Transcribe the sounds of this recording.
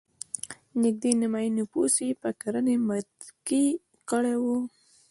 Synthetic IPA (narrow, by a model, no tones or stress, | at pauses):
nɪk̚d̪enɪmajinuposipəkaɾənemat̪ | ki | kəɽewu